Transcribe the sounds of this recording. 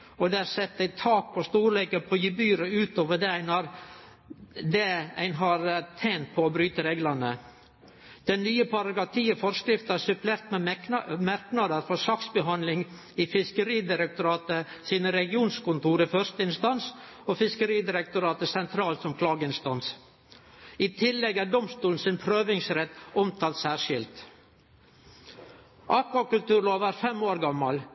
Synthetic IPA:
ɔd̪ɛæɾsɛt̪ːæɪt̪ʰɑːk̚pʰɔst̪uːɾleːkəpʰɔjʉbyːɾəʉːt̪oːʋəɖ̪ɛæɪnɑɾ | d̪ɛæ̰ɪnɦɑɾt̪ʰeːnt̪̚pʰɔɔbɾyːt̪əɾeːɡlənə | d̪̥ɛnːyːəpʰɑɾɑɡɑt̪ʰiːəfɔɾskɾɪft̪əæsʉpleːɾt̪mɛmæɾknɑd̪əɾfɔɾsɑksbəɦɑnlɪŋ | ɪfɪskəɾiːd̪ɪɾɛk̚t̪ʊɾɑːt̪ə | siːnəɾɛɡɪuːnskʊnt̪uːɾifœɾst̪əɪnst̪ɑnsoːfɪskəɾiːd̪ɪɾɛk̚t̪ʊɾɑːt̪əsɛnt̪ʰɾɑːlt̪sɔmkʰlɑːɡəɪnst̪ɑns | iːt̪ʰɪlːɛɡæːɖɔmst̪uːln̩sɪnpʰɾøːʋɪŋsɾɛt̪ːɔmt̪ʰɑːlt̪sæːɾʂɪlt̪ | ʔɑːkʋɑkʉlt̪ʉːɾloːʋæːɾfɛmoːɾɡɑmːɑl

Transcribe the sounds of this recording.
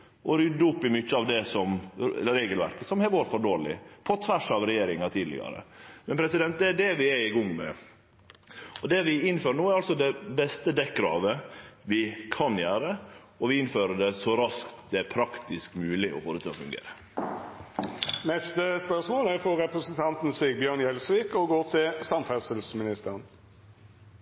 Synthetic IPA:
ʔɔɾʏd̪ːʊpːɪmʏçːəɑʋd̪ɛsɔmɾeːɡəlʋæ̰ɾkəsɔmhɛʋoːɾfɔɖoːɭɪ̰pʰɔt̪ʰʋæʂɑʋɾɛjeːɾɪŋɑt̪ʰiːd̪lɪ̰ɡɑ̰ɾə̰mɛnpʰɾɛsɪd̪ɛnt̪̚d̪ɛæɖɛʋɪɛɪɡʊŋmɛ̰ | ɔd̪ɛʋɪɪnːføːɾəɳoːæɾɑlsɔd̪ɛbɛst̪əd̪ɛk̚ɡɾɑ̰ːʋəʋɪkʰɑnjæːɾə | ɔʋɪɪnːføːɾəɖ̪ɛsɔɾɑskt̪d̪ɛæɾpʰɾɑkt̪ɪskmʉːlɪʔɔ̰foːɾət̪ʰɑːɔ̰fʉŋɡḛːɾə | nɛst̪əspœʁsmoːlæʁfɔʁɛpɾəsənt̪ʰɑnt̪n̩syːɡ̚bjøːʁnjɛlsʋiːkɔɡoːt̪ʰɪlsɑmfɛsəlsmɪnɪst̪əʁən

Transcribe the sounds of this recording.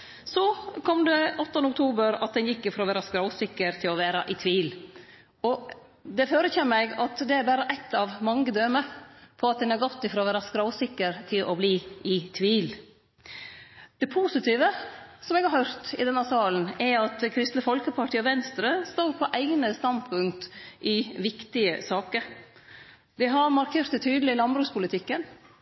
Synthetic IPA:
sɔkʰɔmd̪ɛɔt̪ːɔnəʊk̚t̪ʰuːbəɾɑ̰t̪̚d̪ɛnjɪkːɪfɾoɔːʋæːɾɑskɾɑʊsɪkːəɾt̪ʰɪlɔʋæːɾɑʔɪt̪ʰʋiːl | ɔ | d̪ɛføːɾəçeːmæɡɑt̪d̪ɛæɾbæːɾəʔɛt̪ʰːɑʋmɑŋɡəd̪øːməpʰɔɑt̪̚d̪ɛnɑɾɡɔt̪ːɪfɾoːʋæːɾɑskɾɑʊsɪkːəɾt̪ʰɪlʔɔbliːɪt̪ʰʋiːl | d̪̥ɛpʰusɪt̪ʰiːʋəsɔmɛɡhɑɾhœɾt̪ɪ̰d̪ɛnːɑsɑːln̩ɛɾɑt̪kʰɾɪst̪nəfɔlkəpʰɑʈʰiːɔʋɛnst̪ɾəst̪oːɾpʰɔʔæɪɡnəst̪ɑnd̪pʰʉŋk̚t̪ʔɪʋɪkt̪ɪəsɑːkəɾ | d̪ɛɦɑɾmɑɾkʰeːɾt̪d̪ɛt̪ʰyːd̪lɪlɑnbɾʉːkspʰʊlɪt̪ʰɪkːən

